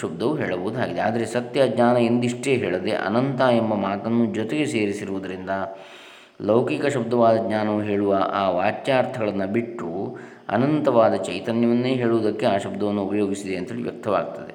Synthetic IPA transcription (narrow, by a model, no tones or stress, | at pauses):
ub̚d̪ɐʋuɦeːɭɐboːd̪ua̰ːɡid̪eaːd̪ɐɾesɐt̪jɐɡɲaːnɐend̪iʂʈe̞ːɦeːɭɐd̪e̞̰ʔɐ̰nɐnt̪aembɐmaːt̪ɐnːud͡ʒɔt̪eɡe̞seːɾisiɾuʋud̪ɐɾind̪ɐ | lɐwkikɐʃub̚d̪ɐʋaːd̪ɐɡɲaːnɐʋuɦeːɭuʋɐʔaːʋaːtjaːɾt̪ʰɐɡɐɭɐnːɐbiʈːu | ɐ̰nɐnt̪ɐʋaːd̪ɐt͡ʃɐjt̪ɐnjɐʋɐnːeːɦe̞ːɭuʋd̪ɐkːeaːʃubd̪ɐʋɐnːuupɐjoːɡisid̪eɐnt̪ʰɐeːlḭʋjɐ̰kt̪ʰːɐʋa̰ːɡ̚t̪ɐd̪e